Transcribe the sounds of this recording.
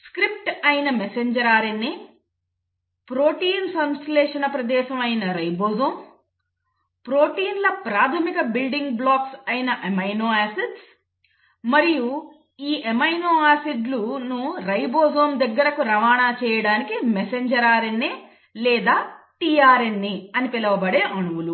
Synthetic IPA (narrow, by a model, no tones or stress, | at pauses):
skɾip̚ʈɐjinɐmeseɲd͡ʒɐɾaːɾɐnːe | pɾoːʈiːnsɐnsʈilɛːʂɐnɐpɾɐd̪ɛːʃɐmɐjnɐɾɐjboːzoːm | pɾoːʈiːnlɐpɾaːt̪ʰɐmikɐbilɖiŋɡblaːksɐjnɐʔemɐjnoːaːsiɖs | mɐɾiju | iːʔemɐjnoːaːsiɖlunuɾɐjboːzoːmd̪ɐɡːɐɾɐkuɾɐʋaːɳaːt͡ʃɛːjɐɽaːnikimeseɲd͡ʒɐɾaːɾɐnːe | lɛːd̪aːʈiːaːɾenːiɐnipilɐʋɐbɐɽeːʔɐɳuʋulu